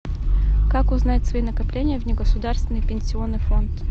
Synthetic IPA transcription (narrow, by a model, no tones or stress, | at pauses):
kakʊznajɪt̪svɐinəkɐplʲenʲɪjəvnʲɪɡəsʊd̪arst̪vʲɪnːɨjpʲɪnʲsʲɪo̞nːɨjfo̞nt̪